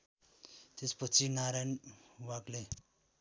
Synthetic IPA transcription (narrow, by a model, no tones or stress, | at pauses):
t̪espʌt͡sinaɾajnwakle